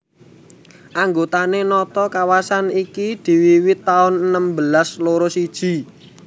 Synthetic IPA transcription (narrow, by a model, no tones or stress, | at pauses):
ʔaŋɡot̪anenɔt̪ɔkawasanikid̪̥i̤wiwɪt̪ːaʊnənəmbəlasloɾosid̥ʒ̥i̤